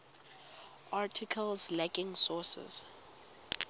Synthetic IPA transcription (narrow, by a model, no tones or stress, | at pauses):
ʔatʰɪkʰəlzlɛɡɪ̃ŋsɔsɛ̰z̥